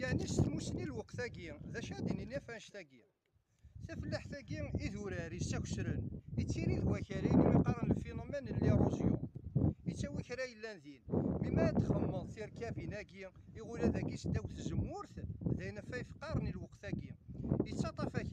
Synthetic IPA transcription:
jəʕnist̪musənilwəqθæɡiðæʃæd̪ininæfænʃt̪æɡi | θæfəlːaħθæɡiiðuɾæɾit͡sːæçə̥sɾənit͡sːiɾiðwæçæɾinimiqɑɾˤənəlfinomænəlːirˤozjṵit͡sːæwiçɾæjəlːænðinmimæt̪ːχəmːəðˤθiɾkævinæɡiiʁʊlæðæɡisd̪æwθzəmːʊɾθðæjənæfæjəfqːɑɾˤnilwəqθæɡiit͡sːɑt̪ˤɑfæç

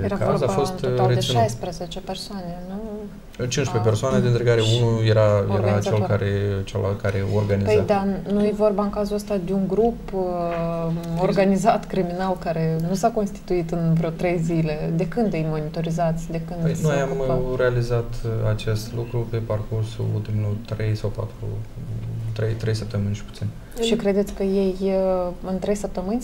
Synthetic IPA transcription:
jeɾakavozabfostnolɾed̪eajspɾezet͡ʃe̞pe̞rsoane̞nu | t͡ʃinʃpep̬ersoaned̪ent̪ɾekaɾeunujeɾajoeɾat͡ʃelkaɾet͡ʃḛla̰kaɾeorɡanipzed̪anujevo̞rbaɨŋkazuəst̪ad̪e̞uŋɡɾup | o̞rɡanizat̪kɾiminalkaɾe̞nusako̞nst̪i̥t̪uit̪ɨnvɾot̪ɾe̞jzile̞d̪e̞kɨnd̪jejmo̞nit̪o̞ɾizat̪sʲd̪e̞kɨnd̪ejnojamɾe̞alizat̪at͡ʃe̞st̪lukɾupe̞parkursṵṵlt̪imlult̪ɾejsawpa̰t̪ɾṵ | t̪ɾejt̪ɾejsəp̚t̪əmɨnʲʃi̥pu̥t̪sinʲ | ʃikɾe̞d̪ekəjej | ɨnt̪ɾe̞jsəp̚t̪əmɨnʲ

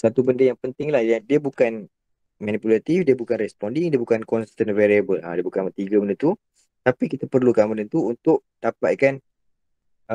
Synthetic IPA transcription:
sat̪ubəndəjaŋpənt̪ɪŋlahjadiəbukan | mãnipulat̪ifdiəbukanrɛspɔndiŋdiəbukankɔnst̪ənvɛɾiəbəla̰diəbukanmət̪iɡəbəndət̪u | t̪apikit̪apərlukamanənt̪uːnt̪ʊʔd̥apaʔkan

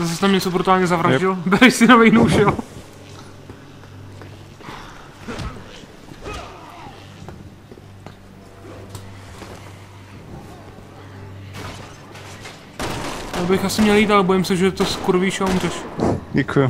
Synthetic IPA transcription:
zas̬ɛst̪amɲɛt͡sobɾut̪aːlɲɛzavɾaʒɪlbɪɾɪʃsɪnavɛjnoʃɛl | jabɪxasɪmɲɛljiːt̪alɛbo̞jɪmsɛʒɛt̪oskuɾviːʃaurɛʃɟɛkʰujʊ

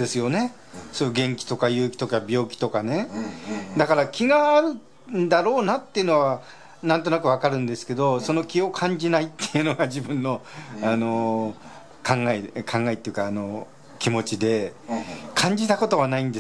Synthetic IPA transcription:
d̪e̞sɨjo̞ne̞ | soːjɯɡẽ̞ŋkʲi̥t̪o̞kajɯ̟ːkʲi̥t̪o̞kabʲo̞ːkʲi̥t̪o̞kane̞ | d̪akaɾakʲiɡaːɾɯ̟ | nd̪aɾo̞ːnat̪ːe̞iɯ̟no̞βa | nãnt̪o̞nakɯ̟β̞akaɾɯ̟̃nd̪e̞sɨ̥ke̞d̪o̞so̞no̞kʲio̞kʰãɲd͡ʑinait̪ːe̞jɯ̟no̞ɡad͡ʑibɯ̟̃nːo̞ano̞ | kãŋɡaekʰãŋɡaeit̪ejɯ̟kaːno̞ | kʲimo̞t͡ɕid̪e̞ | kʰãɲ̟d͡ʑit̪ako̞t̪o̞βanaĩnd̪e̞

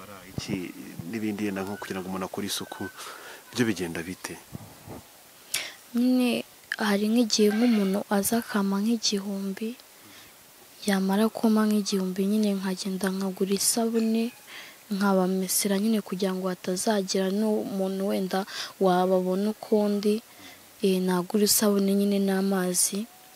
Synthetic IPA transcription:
ɾaiciniβiːndijeːndaŋokuɟiɾaŋɡomonakoɾisukʰuβjoβiɟe̞ːndaβitʰe | ɲine | haɾiŋiɟiheŋumuːnuʔazakʰamaŋ̥hiɟiɦuːmbi | jamaɾakʰomaŋ̥iɟihuːmbiɲine̞ŋaɟeːndaŋ̥aɡuɾisaβune̞ŋaβamisiɾaɲine̞kuɟiɾaŋɡoatazaɟiɾanumuːnuwe̞ːndawaβaβo̞nukʰuːndi | naɡuɾisaβune̞ɲine̞namaːzi

